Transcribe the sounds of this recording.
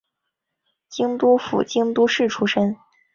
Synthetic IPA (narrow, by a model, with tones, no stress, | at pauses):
t͡ɕi˥ŋt̪u˥fṵ˨˩t͡ɕi˥ŋt̪u˥ʂɻ̩˥˩ʈ͡ʂʰu˥ʂə˥ŋ